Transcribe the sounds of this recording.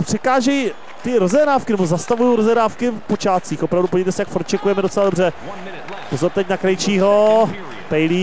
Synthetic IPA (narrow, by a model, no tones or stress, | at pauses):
pr̥ɛkaːʒɛj | t̪ɪɾo̞zɛɾnaːfkɪnɛbo̞zast̪avujowɾozɛnaːfkɪpo̞t͡ʃaːt͡siːxʔo̞pɾavdupoijt̪ɛsɛjakfoɾt̪̚t͡ʃɛkujɛmɛdot͡sɛlado̞br̝ɛ | pozoɾt̪ɛcnakɾajt͡ʃiːɦo̞ | pɛjliː